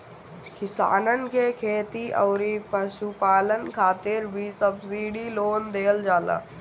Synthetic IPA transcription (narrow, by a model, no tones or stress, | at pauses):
kɪsa̰ːnənkekʰeːt̪iʔɔːɾipəʃupaːlənkʰaːt̪ɪɾbʱisəbsiːɖiloːnd̪eːld͡ʒaːla̰ː